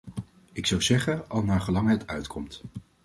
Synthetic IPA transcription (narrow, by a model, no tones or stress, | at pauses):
ɪksɑwzɛχənɑlˠnaːɹχəlɑŋɦɛtœɥtkʰɔmt